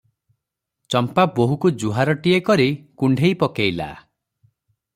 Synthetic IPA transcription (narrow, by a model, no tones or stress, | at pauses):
t͡ʃɔmpaboɦukud͡ʒuɦaɾɔʈiekɔɾikuɳɖʱejpɔkejla̰